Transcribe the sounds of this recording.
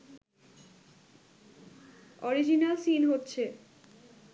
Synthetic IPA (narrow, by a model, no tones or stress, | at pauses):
ɔɾid͡ʑinalsinɦotːɕʰe